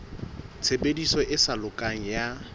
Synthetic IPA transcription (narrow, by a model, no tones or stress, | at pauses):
t͡sʰebedisɔʔɪsalʊkʼaŋ̩ja